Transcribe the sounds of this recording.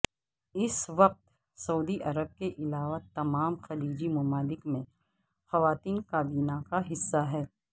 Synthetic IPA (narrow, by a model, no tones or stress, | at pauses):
ɪsʋɐq̚t̪ | sɐuːd̪iʔɐɾəb̚keʔɪlaːʋat̪ɐmaːmxɐliːd͡ʒimɐmaːlɪkmẽ | xɐʋaːt̪iːnkaːbiːnakaɦɪsːaɦɛː